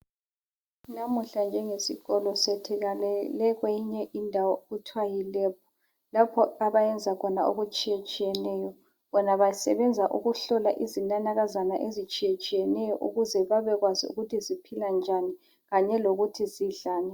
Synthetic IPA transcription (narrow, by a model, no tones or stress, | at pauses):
namuɬand͡ʒʱɛŋesiɣɔlɔsɛtʰɛɣalɛlɛɣwejiɲɛʔindʱawɔɣutʰwajilɛːp̚ʰɔ̥ | lapʰɔaβajɛnd͡zʱakʰɔnao̰ɣut͡ʃʼijet͡ʃʼijɛnɛːjɔ | βɔnaβajsɛβɛnd͡zʱaʔṵɣuɬɔlaʔizinanaɣazanaʔezit͡ʃʼijet͡ʃʼijɛnɛjɔʔuɣuzɛβaβɛɣwaziṵɣutʰizipʰiland͡ʒʱani | ɣaɲɛloɣutʰiziɮaːnɛ